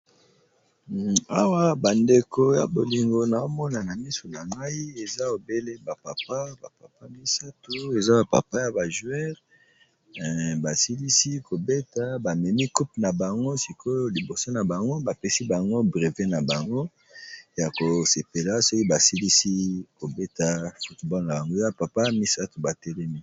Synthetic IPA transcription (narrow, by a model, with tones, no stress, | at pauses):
a̰˦wa˦ba˨nde˨ko˨ja̰˨bo˨li˨ŋɡo˨na˨o˦mɔ˦na˨na˨mi˦so˨na˨ŋa˦i˦e˨za˦o˨be˦le˦ba˨pa˨pa˦ba˨pa˨pa˦mi˦sa˦tu˦e˨za˦ba˨pa̰˨pa˦ja˨ba˨ʒu˦ɛ˦ʁ | ba˨si˦li˦si˦ko˨be˦ta˦ba˨mɛ˨mi˦ku˦p̚na˨ba˨ŋɡo˦si˨kʰo˦li˨bo˨so˦na˨ba˨ŋɡo˦ba˨pɛ˦si˦ba˨ŋɡo˦bʁe˨ve˦na˨ba˨ŋɡo˦ | ja˨ko˨se˨pe˨la˦so˦ki˦ba˨si˦li˦si˦ko˨be˦ta˦fu˦tbɔ˦lna˨ba˨ŋɡo˦ja˦pa˨pa˦mi˦sa˦tu˨ba˨tɛ˦lɛ˦mi˦